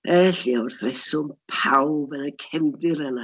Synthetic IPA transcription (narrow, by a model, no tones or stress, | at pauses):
ɛɬiɔʊrθrɛsʊmpʰawbənəkʰɛmdɪɾəna